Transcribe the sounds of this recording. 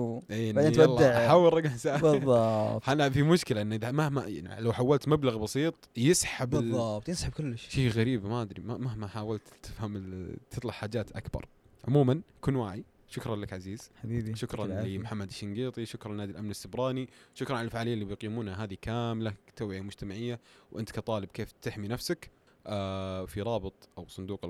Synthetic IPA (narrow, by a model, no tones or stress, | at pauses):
ʔeːndnaɑlˤːɑaʕaħaːwːɪlˤɾˤɑɡnsabɨðˤːɑʔanafimʊʃkɪlaʔɪnːʔɪðamahmaa̰n̰lawħawːalt̪mablaɣbɑsiːt̪ˤjɪsħablːɑbt̪ˤjɪsħab̚kʊlːɪʃʃiːɣaɾiːbmaʔad̪ɾimamaɦmaħaːwalt̪t̪ɪfhamɪlt̪ʰɨt̪ˤlɑħħaːd͡ʒaːt̪ʔa̰kbɑ̰ɾˤʕʊmuːmankuːnwaːʕi | ʃʊkɾˤɑnlakʕaziːz̥ħd̪iːd̪ʃʊkɾˤɑnimħamːad̪ʃːɪŋɡiːt̪ˤiʃʊkɾˤnːaːd̪ilʔamnɪsːɪbɾˤɑːniʃʊkɾˤɑnʕalalfaʕaːlɪjːalːibjqiːmuːnhaɦaːðikaːmlat̪awʕɪjamʊd͡ʒt̪amaʕɪjːawʔɪnt̪kat̪ˤɑːlɪb̚keːft̪ɪħminafsak | ʔafiɾˤɑːbɨt̪ˤʔawsˤʊnd̪uːqɪ